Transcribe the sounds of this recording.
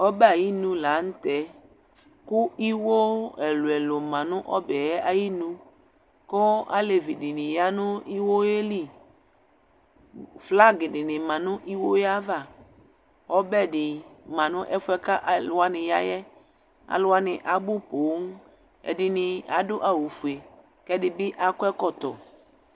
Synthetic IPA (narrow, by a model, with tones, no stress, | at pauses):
ɔ˦bɛ˦a˨ji˦nũ˨la˨˦n̩˦t̪ɛ˨˦ | kʊ˦i˦wo˦ɛ˨lu˨ɛ˨lo˨mã˨nʊ̃˦ʔɔ˦bɛ˨ɛ˦a˨ji˦nũ˧ | kɔ˦a̰˦le˨vi˨di˨nɪ̃˨ja˦nʊ̃˦i˦wo˦e˦li˦ | fla˦ɡɪ˨dɪ˨nɪ̃˨mã˨nʊ̃˦ʔi˦wo˦ja˦va˦˨ | ɔ˦bɛ˦dɪ˨mã˨nʊ̃˦ʔɛ˦fʊ˦ɛ˦ka˦ʔa˨lʊ˨a˦nɪ̃˨ja˦jɛ˦ | a̰˨lʊ˦a˦nɪ̃˨ʔa˨bʊ˦po˨˦ŋ˦ | ɛ̰˨dɪ˨nɪ̃˨a˨dʊ˦ʔa˨wu˨fu˨e˨ | kɛ˦dɪ˦bɪ˦ʔa˨kʊ˦ɛ˦kɔ˦t̪ɔ̰˨